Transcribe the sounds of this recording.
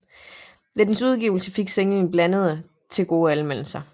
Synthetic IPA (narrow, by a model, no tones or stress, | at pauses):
led̥n̩suð̞ˠɡ̥iʊl̩səfiɡ̥seŋln̩b̥lænəð̞ˠə | t͡sʰe̝lɡ̥o̝ːælmel̰l̩sɐ